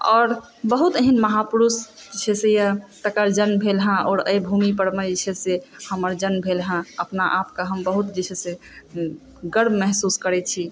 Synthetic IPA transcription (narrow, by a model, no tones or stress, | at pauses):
ɔːɾ | bəɦut̪əɦinməɦapuɾusd͡ʒt͡ʃʰesejət̪əkəɾd͡ʒənbʱelɦãɔːɾə̰jbʱumipəɾmet͡ʃʰesehəməɾd͡ʒənbʱelɦãəpnaʔapkaɦəmbəɦut̪d͡ʒit͡ʃʰese | ɡəɾbmɛɦsuskəɾɛt͡ʃʰi